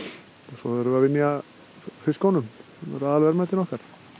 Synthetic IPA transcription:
sɔ̰ɛɾʏvavɪmɛa | fɪskawnʏm | ɛ̰ɾaðalvɛɾmɛt̪ɪnɔhkaɾ̥

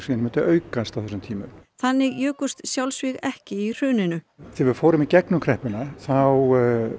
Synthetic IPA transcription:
siːnmɛnt̪ʏʔœːɥkast̪awθɛsʏmt̪ʰiːmʏ̰mθanːɪɣjœːkʏst̪sjawlsvɪɣɛhcɪir̥ʏːnɪnʏ | θɪvʏɾ̥foːwɾʏmicɛknʏkʰɾɛhpʏnaθaw

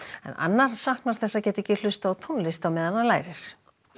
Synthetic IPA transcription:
ɛ̰na̰nːaɾ̥sahknaɾ̥θɛsːacɛːt̪ɛcːɪl̥ʏst̪aawt̪ʰɔnlɪst̪awmɛːðanːalaːjɾɪɾ̥

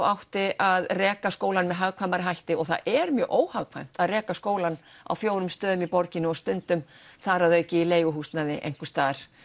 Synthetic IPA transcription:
wʔawht̪ɪʔaðrɛːkaskoːwlanmɛðɦaɣkʰvamaɾɪɦajht̪ɪɔɣθa̰ðʔɛɾmjœːʔoːwhaɣkʰva̰jm̥t̪aðrɛːkaskoːwlana̰wfjoːwɾʏmst̪œːðʏmipɔɾcɪnɪɔst̪ʏnt̪ʏmθaɾaðœɥcɪileːjɣʏɦuːsnaðɪʔḛjŋ̥kʏst̪aːɾ̥

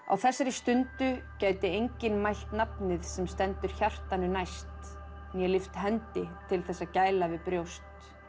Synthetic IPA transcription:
a̰wθɛsːaɾɪst̪ʏnt̪ʏcaːjt̪ɪejɲcɪnmajl̥t̪napnɪðsɛmst̪ɛnt̪ʏɾ̥çar̥t̪anʏnajst̪ | njɛlɪft̪ɦɛnt̪ɪt̪ʰɪlθɛsːaðcaːjlavɪðpɾjowst̪

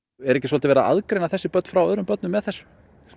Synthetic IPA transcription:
ɛɾɛhcɪsɔlt̪ɪvɛɾaʔa̰ðkɾejnaθɛsːɪpœt̪nfɾawœːðɾʏmpœt̪nʏmːɛðθɛsːʏ̥

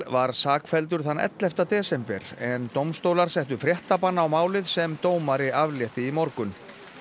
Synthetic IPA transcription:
vaɾ̥saːkfɛlt̪̬ʏɾ̥θanːɛ̰t̪lɛft̪at̪ɛːsɛmpɛ̰ɾ̥ɛnt̪owmst̪owlaɾ̥sɛht̪ʏfɾjɛht̪apanːaawmaːwlɪðsɛmt̪oːwmaɾɪʔavljɛht̪ɪimɔɾkʏn

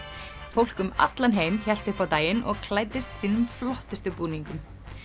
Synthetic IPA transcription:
fowl̥kʏma̰t̪lanɦeːjmçɛl̥t̪ɪhpawt̪aːjɪnʔɔɣkʰlaːjt̪ɪst̪siːnʏmflɔht̪ɪst̪ʏpuːniŋkʏm

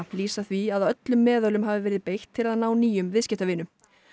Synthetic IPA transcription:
liːsaθviaðawœt̪lʏmːɛːðœlʏmɦaːvɪvɛːɾɪðpejht̪ʰːɪlaðnaːwniːjʏmvɪðscɛht̪avɪːnʏm

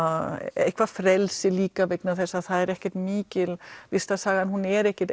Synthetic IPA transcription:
ḛhkʰvafɾɛlsɪliːkavejknaθɛsːaðθaðɛɾɛhcɛ̥t̪miːcɪlvɪst̪asaːɣanhunɛɾɛhcɛt̪

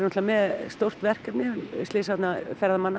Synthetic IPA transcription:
ɾnɔt̪lamɛðst̪owr̥t̪vɛr̥kat̪nɪst̪ɪːsat̪nafɛɾðamanːa

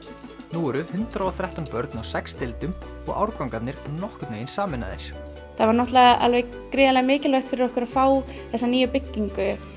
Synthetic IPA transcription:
nuːɾʏhʏnt̪ɾaɔθɾɛht̪anpœɾt̪nawsɛkst̪ɪlt̪ʏm | ɔ̰ɣa̰wɾkawŋkat̪nɪɾnɔhkʏt̪nḛjɪnsaːmɪna̰ðɪ̰ɾ̥ | θaðvaɾnɔht̪laɣaʔa̰lvɛj | kɾɪːðalɛɣmɪːcɪlvœht̪fɪɾɪɾɔhkʏɾafaːw | θɛsːaniːjʏpɪcːiŋkʏ

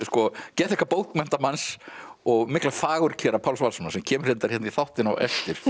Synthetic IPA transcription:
skɔcɛːt̪ɛhkaɾpowt̪mɛm̥t̪amansɔɣmɪklafaːɣʏɾ̥cʰɛːɾapʰawlsvalsɔnasɛmcʰɛːmʏɾ̥etnt̪aɾ̥hɛt̪niθawht̪ɪnawɛ̰ft̪ɪɾ̥

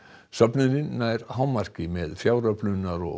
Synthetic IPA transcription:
sœpnʏnɪnːajɾhaːwmar̥cɪmɛðfjaːwɾaplʏnːaɾɔ̰

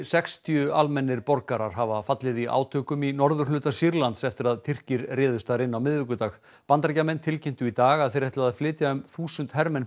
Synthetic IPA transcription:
sɛkst̪ʰjʏalmɛnːɪɾpɔɾkaɾaɾ̥ɦavafat̪lɪðiʔa̰ːwt̪ʰœːkʏminɔɾðʏ̥hlʏːt̪asiɾlant̪sɛft̪ɪɾaðt̪ʰɪr̥cɪɾrɛːðʏst̪aɾɪnːawmɪðvɪkʏt̪aːɣ | pant̪aɾcamɛnt̪ʰɪlcɪnt̪ʏit̪aːɣaðθejɾ̥ɛht̪aðaðflɪːt̪jaʏmθuːsʏnt̪hɛɾmɛn

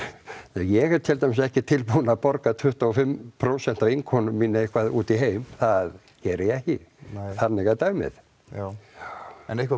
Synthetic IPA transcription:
ɛjɛɣɛɾt̪ʰɪlt̪amɪs̬ɛhcɪt̪ʰɪlpunapɔɾkat̪ʰʏht̪aɔfɪmpʰɾowsɛn̥t̪avɪŋkʰownʏmmːinːɪehkʰvaðuːt̪iɦeːjmθað | cɛːɾɪjɛɛhcɪθanːɪɣat̪aːɥmɪ̰ð | a | ɛnehkv

